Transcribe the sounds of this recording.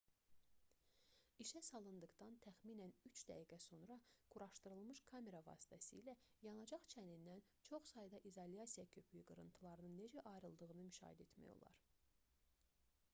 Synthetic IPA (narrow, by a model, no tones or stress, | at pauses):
iʃæsɑlˠɯnd̪ɯɣd̪ɑnt̪ʰæxmiːnænyt͡ʃd̪æ̰ɦiɡæso̞nɾɑɡ̥uɾɑʃt̪ɯɾɯlˠmɯʃkʰɑme̞ɾɑvɑ̰ːsi̥t̪ʰæsḭːlæjɑnɑd͡ʒɑχt͡ʃʰænind̪æn | t͡ʃʰo̞χsɑjd̪ɑʔizolijɑsijɑcʰø̞pʰyjyɡɯɾɯnt̪ʰɯlˠɑɾɯnɯnːe̞d͡ʒæʔɑjɾɯlˠd̪ɯɣɯnɯmyʃɑ̰ːhid̪e̞t̪mæ̰jo̞̰lˠɑ̰ɾ